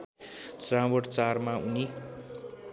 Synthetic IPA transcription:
srãmboʈt͡sarmauni

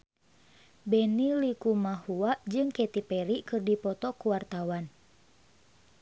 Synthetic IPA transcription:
bɛnilikumahuaʔd͡ʒɨŋkɛt̪ipɛɾikɨrdipɔt̪ɔkuwart̪awan

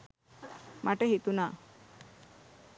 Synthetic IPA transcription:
maʈəɦit̪unaː

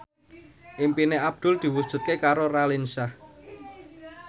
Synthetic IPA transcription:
ʔimpineʔab̥̚d̪̥ʊ̤ld̪̥i̤wud̥ʒ̥ṳt̪̚kekaɾoɾalinsah

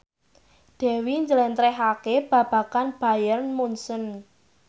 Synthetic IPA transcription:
d̪̥ɛ̤wiɲd͡ʒəlɛnt̪ɾɛɦakeb̥ä̤b̥ä̤kanb̥ä̤jərnmunsən

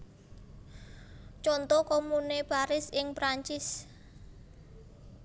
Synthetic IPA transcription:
t͡ʃɔnt̪ɔkomunepaɾɪsɪŋpɾaɲt͡ʃɪs

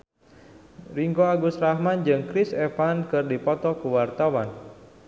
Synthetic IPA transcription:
riŋɡoaɡusrahmand͡ʒɨŋkɾisefankɨrdipɔt̪ɔkuwart̪awan

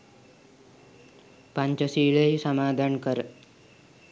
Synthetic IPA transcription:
paɲt͡ɕəsiːɭejsəmaːd̪ʱankəɾ

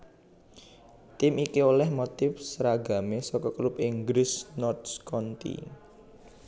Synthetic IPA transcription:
t̪ɪmikiolɛhmot̪ɪfsɾaɡa̤mesɔkɔklʊpiŋɡɾɪsnɔrt̪skɔnt̪ḭ

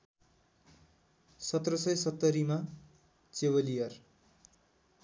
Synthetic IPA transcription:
sʌt̪rʌsʌjsʌt̪ːʌɾima | t͡sebʌlijʌr

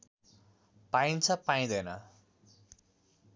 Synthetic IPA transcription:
pajnt͡sʰʌpaj̃d̪ʌjnʌ

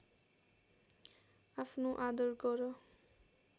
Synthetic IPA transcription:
apʰnoʔad̪ʌrɡʌɾʌ

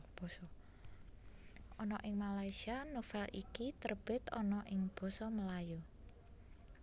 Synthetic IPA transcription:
b̥ɔsɔ | ɔnɔʔɪŋmalaisianufalʔikit̪ərb̥ɪ̤t̪ɔnɔʔɪŋb̥ɔ̤sɔməlaju

